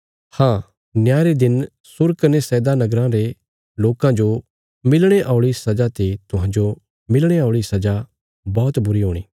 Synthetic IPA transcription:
hãː | njaːɾed̪ɪn | sʊɾkɐnesɛːd̪anɐɡɾãɾe | loːkãd͡ʒo | mɪlɽ̃eʔaːʊɭisɐd͡ʒat̪et̪ʊɦãːd͡ʒo | mɪlɽ̃eaːʊɭisɐd͡ʒa | bɔːt̪bʊɾiɦoːɽ̃iː

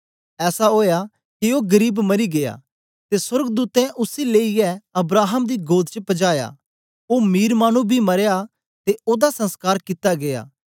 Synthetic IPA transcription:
ɛːsaɦoːja | kioɡɐɾiːbmɐɾiɡeja̰ | t̪eswɐɾɡəd̪uːt̪ɛ̃ʔʊsileːɪjɛɐbɾaːɦəmd̪iɡoːd̪t͡ʃəpɐd͡ʒaːja̰ | oːmiːɾmaːñũbʱimɐɾeja | t̪eʔoːd̪asɐ̃nskaːɾkɪt̪aɡeja̰ː

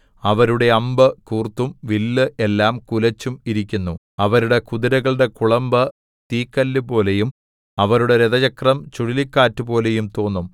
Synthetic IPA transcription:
ɐʋɐɾuɽe̞ɐmbɨkuːrt̪ːumʋilːɨʔe̞lːaːmkulɐt͡ɕːumiɾikʲːunːu | ɐʋɐɾuɽe̞kuðiɾɐɣɐɭɖe̞kuɭɐmbɐ | t̪iːkːɐlːɨpo̞ːle̞jum | ɐʋɐɾuɽe̞ɾeðɐt͡ɕɐkrɐmt͡ɕuɽilikːaːtːupo̞ːle̞jumt̪o̞ːnːum

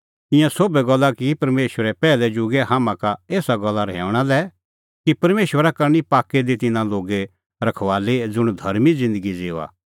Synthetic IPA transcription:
t̪ɪ̃jãsoːbɛɡɐlːakipɐɾmeːʃʋəɾɛpɛːlɛd͡ʒʊɡɛɦaːmãkaeːsaɡɐlːaɾɛ̰ːʊɽ̃alɛ | kipɐɾmeːʃwəɾakɐɾñipaːkːed̪it̪ɪnãloːɡe | ɾɐkʰʋaːled͡zʊɽ̃d̪ʱɐɾmid͡zɪ̃nd̪əɡid͡zeːʋa̰ː

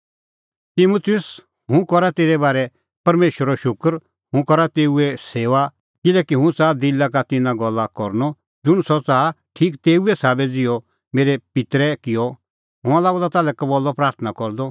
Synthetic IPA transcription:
t̪ɪmut̪ʰɪjʊs | ɦʊ̃kɔɾat̪eːɾɛbaːɾɛ | pɐɾmeːʃəɾɔʃʊkɾ | ɦʊ̃kɔɾat̪eːuɛseːʋa | kɪlɛkiɦʊ̃t͡saːd̪ɪlːak̬at̪ɪnãɡɔlːakɔɾnɔ | d͡zʊɽ̃sɔt͡saː | ʈʰiːkt̪eːuɛsaːbɛd͡zɪjɔ | meːɾɛpɪt̪ɾɛkɪjɔ | ɦʊ̃ãlaːɡɔd̪at̪aːlɛkabɔlːɔpɾaːɾt̪ʰnakɔɾd̪ɔ

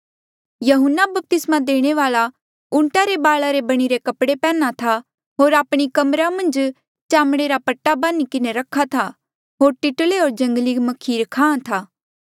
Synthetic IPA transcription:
jɐɦʊnːabɐp̚t̪ɪsmãd̪eːɽ̃eʋaːla | ʊ̃ɳʈaɾebaːɭaɾebɐɽ̃iɾekɐpɽepɛ̃ːnat̪ʰa | ɦoːɾaːpɽ̃ikɐmɾamɐ̃nd͡ʒ | t͡ʃaːmɽ̃eɾapɐʈːabaːnikɪneɾɐkʰːat̪ʰa | ɦoːɾʈɪʈəleɦoːɾd͡ʒɐ̃ŋɡlimɐkʰiːɾkʰãːãt̪ʰaː

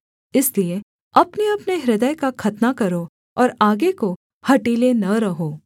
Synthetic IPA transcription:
ɪslie | ɐpneɐpneɦɾɪd̪əjkakʰɐt̪nakɐɾo | ɔːɾaːɡeko | hɐʈiːlenɐɾɐɦoː

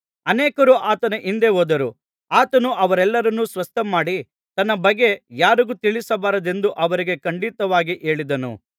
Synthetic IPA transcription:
ɐneːkɐɾuʔaːt̪ɐnɐʔind̪e̞ɦoːd̪ɐɾu | aːt̪ɐnuʔɐʋɐɾɛlːɐɾɐnːusʋɐst̪ʰɐmaːɽi | t̪ɐnːɐbɐɡːe̞jaːɾiɡut̪iɭisɐbaːɾɐd̪e̞nd̪uʔɐʋɐɾiɡe̞kɐɳɖit̪ɐʋaːɡiʔe̞ːɭid̪ɐnṵ

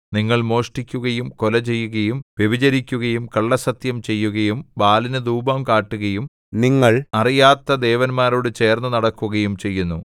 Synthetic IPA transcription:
niŋːɐɭmo̞ːʂʈikʲːuɣɐjumkolɐt͡ɕe̞jːuɣɐjumʋebid͡ʑɐɾikʲːuɣɐjumkɐɭːɐsɐt̪jɐmt͡ɕe̞jːuɣɐjumbaːlinɨd̪uːbɐmkaːʈːuɣɐjum | niŋːɐɭɐrijaːt̪ːɐd̪e̞ːʋɐnmaːɾoːɽɨt͡ɕe̞ːrnːɨnɐɽɐkːuɣɐjumt͡ɕe̞jːunːu

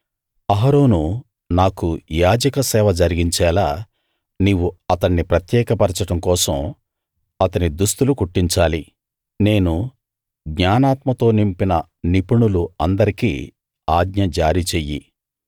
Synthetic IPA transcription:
ɐɦɐɾo̞ːnu | naːkujaːd͡ʒɐkɐsɛːʋɐd͡ʒɐɾiɡiɲt͡ʃɛːlaː | niːwːuɐt̪ɐɳːipɾɐt̪jɛːkɐpɐɾt͡ʃɐʈɐmkɔːsɐm | ɐt̪ɐnid̪ust̪ulukuʈːiɲt͡ʃaːli | ne̞ːnu | ɡɲaːnaːt̪mɐt̪o̞ːnimpinɐ | nipuɳuluɐnd̪ɐɾikḭː | aːɡɲɐd͡ʒaːɾit͡ʃeːjḭ

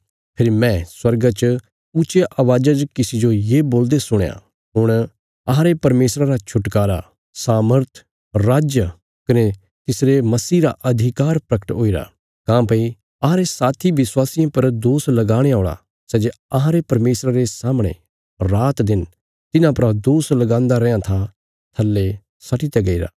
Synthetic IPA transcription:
pʰɪɾimɛ̃ːswɐɾɡat͡ʃ | ʊt͡ʃeʔɐʋaːd͡ʒad͡ʒkɪsid͡ʒojeːboːld̪esʊɽ̃ja̰ | ɦʊɽ̃ | ɐɦãɾepɐɾmeːsɾaɾat͡ʃʰʊʈkaːɾa̰ | saːməɾt̪ʰ | ɾaːd͡ʒjə | kɐne | t̪ɪsɾemɐsiːɾa̰ʔɐd̪ʱɪkaːɾpɾɐkə̥ʈoːiɾa̰ | kãːpɐi | ɐɦãɾesaːt̪ʰiʋɪswaːsijãpɐɾd̪oːslɐɡaːɽ̃eaːɽ̃a̰ | sɛːd͡ʒeɐɦãɾepɐɾmeːsɾaɾesaːmɽ̃ḛ̃ | ɾaːt̪d̪ɪn | t̪ɪnãpɐɾad̪oːslɐɡãːnd̪aɾɛːjãt̪ʰa | t̪ʰɐlːe | sɐʈʰit̪ɛɡɐiɾa̰ː

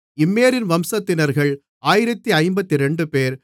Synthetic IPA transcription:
ɪmːeːɾɪnʋɐmsɐt̪ːɪnɐɾɣɐɭ | aːjɪɾɐt̪ːiɐɪmbɐt̪ːiɾɛɳɖɯpeːɾ

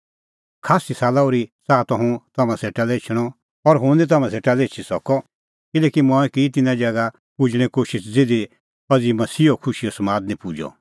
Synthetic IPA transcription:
kʰaːsisaːlaoɾisaːt̪ɔɦũt̪ɐmãseːʈaleːt͡ʃʰɽ̃ɔ | ɔɾɦũd̪it̪̬ɐmãseːʈalet͡ʃʰisɔkɔ | kɪlɛːkimɔ̃ɛkit̪ɪnãd͡ʒɛɡa | pʊd͡ʒɽ̃ɛ̃koːʃɪsd͡zɪd̪i | ɔd͡zimɐsiːokʰʊʃiɔsɐmaːd̪nĩpud͡ʒɔ̰

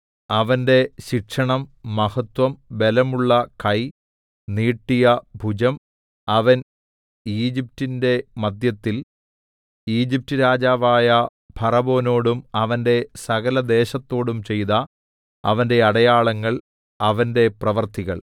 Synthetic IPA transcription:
ɐʋɐnde̞ɕikʂɐɳɐmːɐhɐt̪wɐmʋe̞lɐmuɭːɐkɐj | niːʈːijɐbʱud͡ʑɐm | ɐʋɐn | iːd͡ʑip̚tːinde̞mɐd̪jɐt̪ːil | iːd͡ʑip̚tɨɾaːd͡ʑaːʋaːjɐ | bʱɐrɐbo̞ːno̞ːɽumɐʋɐnde̞sɐɣɐlɐd̪e̞ːɕɐt̪ːo̞ːɽumt͡ɕe̞jt̪ɐ | ɐ̰ʋɐnde̞ɐɽɐjaːɭɐŋːɐɭ | ɐʋɐnde̞prɐʋɐrt̪iɣɐɭ

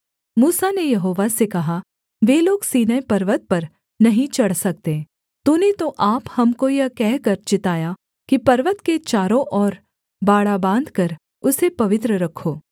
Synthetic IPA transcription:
muːsanejɐɦoːʋasekɐɦa | ʋeːloːɡsiːnaepɐɾʋət̪̚pɐɾ | nɐɦĩt͡ʃɐɽ̤sɐk̚t̪e | t̪ũːnet̪oʔaːphɐmkojɐkɛɦkɐɾt͡ʃɪt̪aːja | kipɐɾʋət̪ket͡ʃaːɾõʔɔːɾ | baːɽabãːnd̪kɐɾ | ʊsepɐʋɪt̪ɾəɾɐkʰːoː

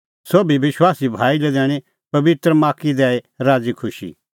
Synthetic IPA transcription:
soːbibɪswaːsibʱaːilɛd̪ɛːɽ̃i | pɐbɪt̪ɾəmaːkid̪ɛːe | ɾaːd͡zikʰʊʃḭ

